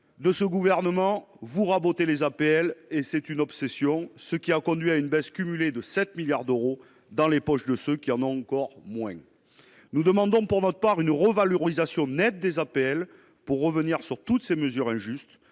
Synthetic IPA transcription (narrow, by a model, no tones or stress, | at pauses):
d̪əsəɡuvɛʁnəmɑ̃ | vuʁabot̪elezapeɛlesɛt̪ynɔbsesjɔ̃səkʲiakɔ̃d̪ɥiaynbɛskʲymyled̪əsɛt̪miljaʁd̪øʁo | d̪ɑ̃lepɔʃd̪əsøkʲiɑ̃nɔ̃ɑ̃kɔʁmwɛ̃ | nud̪əmɑ̃d̪ɔ̃puʁnɔt̪χəpaʁynʁəvaløʁizasjɔ̃nɛt̪̚d̪ezapeɛl | puʁːəvəniʁsyʁt̪ut̪seməzyʁɛ̃ʒyst̪